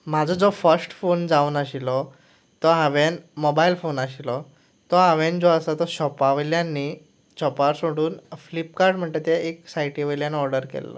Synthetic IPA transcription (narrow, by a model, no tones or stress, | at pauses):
mad͡zʱɔd͡zɔfəɾsʈfond͡zauːnaɕilɔ | t̪ɔɦaʋenmobailfonaɕilɔ | t̪ɔɦaʋẽnd͡zɔəsat̪ɔɕɔpaʋljanːi | t͡ɕɔpaɾsoɽuːnflipkaɾɖm̤əɳʈ̪et̪ɛeksajʈiʋəjljanɔɾɖəɾkɛ̰lːɔ̰